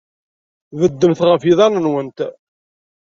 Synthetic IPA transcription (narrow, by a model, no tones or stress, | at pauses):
vəd̪ːəmθʁəfiðˤɑnənwənt̪